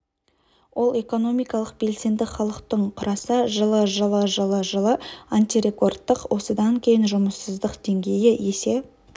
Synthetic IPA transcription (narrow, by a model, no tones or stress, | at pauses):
wʔo̞lˠe̞ko̞no̞mijkɑlˠəq̚b̥e̞lse̞nd̪ɪχɑlˠəqt̪əɴqʰʊɾɑsəʒəlˠəʒəlˠəʒəlˠəʒəlˠəant̪iɾe̞ko̞rt̪ːəqwʔo̞səd̪ɑŋkʲʰe̞jɪnʒʊməsːəzd̪əqd̪̥e̞ŋɡʲe̞jɪje̞se̞